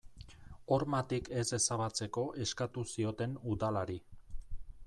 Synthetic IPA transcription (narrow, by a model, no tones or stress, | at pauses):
o̞ɾmat̪ike̞se̞saβat͡se̞ko̞ʔe̞skat̪usio̞t̪e̞nuðalaɾi